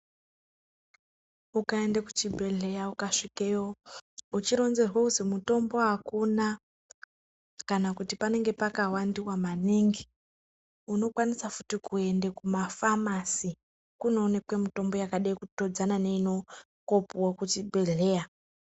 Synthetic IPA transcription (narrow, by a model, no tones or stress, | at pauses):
ukae̞ndeku̥t͡ʃibʱe̞ɮe̞jaukaʂikeout͡ʃiɾo̞nze̞rwauzemuto̞mbo̞akuna | kanakutipane̞ŋɡe̞pakawandiwamaniːŋɡi | uno̞kwanisafu̥tikue̞ndekumafamasi | kuno̞ːne̞kwemito̞mbo̞jakaɗajikuto̞d͡zanane̞ino̞ | kopuwakut͡ʃibʱe̞ɮe̞ja